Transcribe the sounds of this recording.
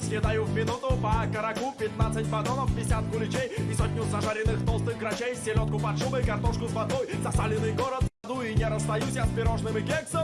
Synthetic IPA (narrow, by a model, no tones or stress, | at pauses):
sʲlʲɪd̪ajuvmʲɪnut̪ʊpəkəɾɐkupʲɪt̪nat̪sɨt̚ʲbɐd̪onəfvʲɪsʲat̪̚ɡʊlʲɪt͡ɕejisot̪nʲuzɐʐaɾʲɪnɨxt̪olˠst̪ɨxɡɾɐt͡ɕejsʲtʲɪlʲot̪̚kʊpɐt̪ʂubəjkɐrt̪oʂkʊzvɐd̪ojzɐsalʲɪnɨjɡoɾət̪ɐd̪uinʲɪɾəst̪ɐjusʲɐspʲɪɾoʐnɨmʲɪkʲeksə